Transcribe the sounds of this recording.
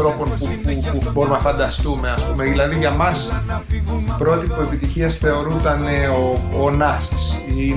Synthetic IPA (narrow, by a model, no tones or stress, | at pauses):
ɾo̞po̞npupupubo̞ɾumenɐfɐnd̪ɐst̪ume̞ɐspumeðilɐðiʝɐmɐs | pɾo̞t̪ipue̞pit̪içiɐsθe̞o̞ɾut̪ɐne̞oonɐsisi